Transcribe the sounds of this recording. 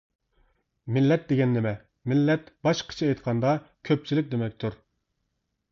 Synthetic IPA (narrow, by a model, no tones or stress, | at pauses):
mɪlːɛt̪̚d̪eɡʲɛnːɪmɛ | mɪlːɛt̪bɑʃqʰə̥t͡ʃʰiɛjt̪qʰɑnd̪ɑkʲʰøp̚t͡ʃʰilɪk̚ʲd̪emɛk̚ʲt̪ʰuɾ